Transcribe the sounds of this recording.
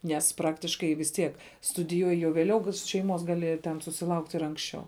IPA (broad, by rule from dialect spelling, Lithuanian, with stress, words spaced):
nʲɛs ˈprɑːktʲɪʃkɐɪ ʋʲɪs ˈtʲiɛk stʊdʲɪˈjuɔjɪ jɛʊ ʋʲeːˈlʲɛʊ ʃʲɛɪˈmoːs ˈɡɑːlʲɪ tʲɛn sʊsʲɪˈlˠɐʊktʲ ɪr ˈɐŋksʲˌt͡ʃʲɛʊ